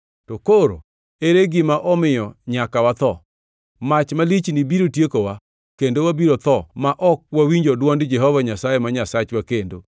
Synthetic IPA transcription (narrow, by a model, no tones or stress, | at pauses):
tokoɾo̰ | eɾeɡɪmaʔɔmɪjɔɲakawat̪ɔ | mat͡ʃmalit͡ʃnibiɾotjekowa | kendowabiɾot̪ɔmaʔɔk̚wawiɲd͡ʒodwɔndd͡ʒɛɦɔvaɲasajemaɲasat͡ʃwakendo